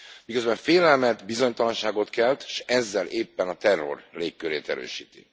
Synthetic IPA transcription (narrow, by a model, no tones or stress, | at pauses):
mikø̞zbɛɱfeːlɛlmɛt̪bizo̞ɲt̪ɒlɒnʃaːɡo̞t̪kɛlt̪ʃɛzːɛlʔeːpːɛnɒt̪ɛrːo̞̰rleːkːøɾeːt̪ɛ̰ɾø̰ːʃiːt̪ḭ